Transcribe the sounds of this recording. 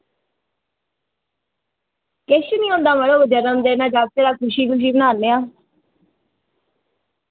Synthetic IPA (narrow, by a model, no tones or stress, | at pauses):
keʃənĩːõːnd̪aːməloːbəd͡ʒəɾəmd̪eːnãːd͡ʒaːb̚t̪eːɾaːkʰʊʃiːkʊʃ̬iːbənaːɾneːãː